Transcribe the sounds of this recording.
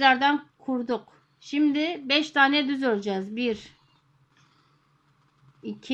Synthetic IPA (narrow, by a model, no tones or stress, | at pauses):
laɾd̪ankʰuɾd̪uq | ʃimd̪ibɛʃt̪ʰaːnɛd̪yzøɾd͡ʒazbiɾ | icʰ